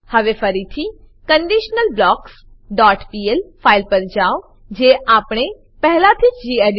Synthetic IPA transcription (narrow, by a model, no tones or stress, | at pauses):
hɐʋefʰɐɾit̪ʰi | kə̃ɳɖiːʃnəlblɔːks | ɖaːʈpiːelfʰaːɪlpɐɾd͡ʒaːo | d͡ʒeːʔaːpɽ̃e | pɛɦlat̪ʰit͡ʃd͡ʒieɖ